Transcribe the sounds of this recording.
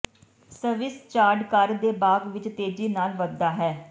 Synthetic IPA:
səʋɪst͡ʃaːɖkəɾd̪eːbaːɡʋɪt͡ʃt̪eːd͡ʒiːnaːlʋəd̪ːaːɦɛː

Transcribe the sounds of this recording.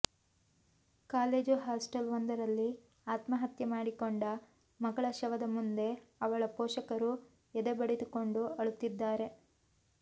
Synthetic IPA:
kaːle̞ːd͡ʒuɦaːsʈɐlʋɐnd̪ɐɾɐlːi | aːt̪mɐɦɐt̪jɐmaːɽikoɳɖɐ | mɐɡɐɭɐʃɐʋɐd̪ɐmund̪e̞ɐʋɐɭɐpoːʃɐkɐɾu | ɛd̪ebɐɽed̪uko̞ɳɖuɐɭut̪ːid̪ːaːɾe̞

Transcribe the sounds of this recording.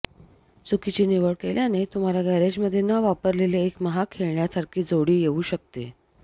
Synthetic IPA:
t͡sukit͡ɕiːniʋəɽkeljanet̪um̤aljaɡʱəɾed͡ʑməd̪ʱːjenəʋapəɾleleːkməɦakʰeɭɳjasaɾkʰiːd͡zoɽiːjeuːɕək̚t̪ḛ

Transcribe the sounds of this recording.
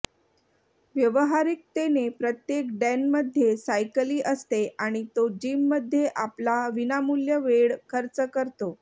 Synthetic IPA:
ʋjəʋəɦaɾik̚t̪enepɾət̪jekɖɛnməd̪ʱːjesajkəliːʔəst̪eʔaɽ̃it̪od͡ʑimːəd̪ʱːjeʔaplaʋinamuljəʋeɽkʰəɾt͡səkəɾt̪o

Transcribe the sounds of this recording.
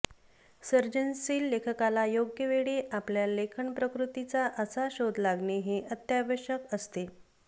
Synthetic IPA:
səɾd͡ʑənsiːlːekʰəkalajoɡjəʋeɭeʔapljalekʰəɳpɾəkɾut̪it͡saʔəsaɕod̪ʱlaɡɳeɦeʔət̪jaʋəɕəkəst̪e

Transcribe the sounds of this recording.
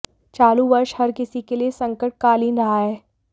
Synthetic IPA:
t͡ʃaːluʋɐɾʃhɐɾkɪsikeliesɐ̃ŋkəʈ̚kaːliːnɾɐɦaɦɛː

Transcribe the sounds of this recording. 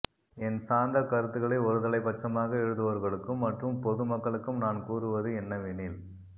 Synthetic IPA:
ɛnsaːnd̪ɐkɐɾɯt̪ːɯɣɐɭɐɪɔɾɯðɐɭɐɪpɐʈt͡ʃːɐmaːɣɐɛɻɯðɯʋɐɾɣɐɭɯkːɯmːɐʈrɯmpɔðɯmɐkːɐɭɯkːɯmnaːnkuːrɯʋɐðɯɛnːɐʋɪnil

